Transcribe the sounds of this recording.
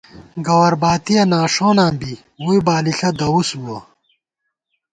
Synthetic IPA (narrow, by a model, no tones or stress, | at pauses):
ɡɐwɐɾbaːt̪ijɐnaːʂoːnãːmbi | wujbaːliɬɐd̪ɐwusuwɐ